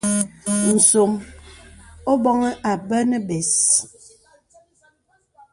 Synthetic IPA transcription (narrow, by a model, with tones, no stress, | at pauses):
n̩˨so˨m | o˦bɔ˦ŋɛ˦ʔa˨bə˦nə˦bɛ˨s